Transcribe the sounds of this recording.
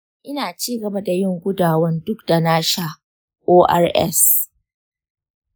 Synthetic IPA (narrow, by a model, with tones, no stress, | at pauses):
ʔɪ˦naː˨t͡ʃiː˦˨ɡɐ˨ba˦da˨jɪ˦˨ŋɡʷʊ˦daː˨wɐ˦ndʊ˦k̚da˨naː˦ʃa˦ | ʔoː˦ʔa̰˦rʔɛ̰˦s